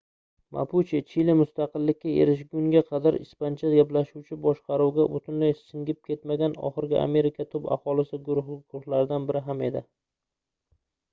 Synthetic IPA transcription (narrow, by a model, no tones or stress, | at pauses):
mʔa̰pʰʊt͡ʃʰit͡ʃʰilɪmʊst̪ɑqɨlːɪkʲːae̞̰ɾɪʃ̬ɡʲʊŋɡʲaqʰɑd̪aɾɪspant͡ʃʰaɡʲaplaʃuwt͡ʃʰɪbɒʃqɑɾuwɡʲabʊt̪ʰɪnlajsɪŋɡʲɪp̚kʰʲe̞t̪maɡʲanɒ̰χɨɾɡʲɪʔa̰me̞ɾɪkʲʰat̪ʰʊba̰hɒlɪsɪɡʊɾʊhɡʊɾʊχlaɾɪd̪anbɪɾɪɦame̞d̪ɪ